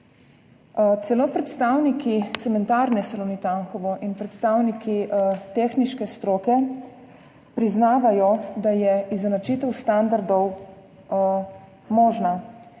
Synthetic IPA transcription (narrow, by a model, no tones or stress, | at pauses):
t̪sɛlopɾɛt̪st̪awnikit̪sɛmɛnt̪aːɾnɛsalonit̪aŋxɔʋɔʔinpɾɛt̪st̪awnikit̪eːxniʃkɛst̪ɾoːkɛ | pɾiznaːʋajɔd̪ajɛizɛnat͡ʃiːt̪ɛwst̪and̪aɾd̪ɔw | mɔːʒna